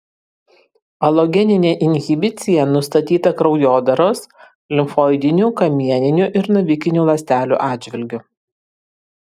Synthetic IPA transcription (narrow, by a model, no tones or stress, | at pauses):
ɐlˠɔɡʲɛnʲɪnʲeːʔɪnʲɣʲɪbʲɪt̪sʲɪjɛnʊst̪ɐt̪ʲiːt̪ɐkɾɒʊjoːd̪ɐɾoːs | lʲɪmfoːɪd̪ʲɪnʲuːkɐmʲiɛnʲɪnʲuʔɪɾnʊʋʲɪkʲɪnʲuːlˠɐsʲt̪ʲæːlʲṵːʔɑːd̪ʲd͡ʒʲʋʲɪlʲɡʲʊ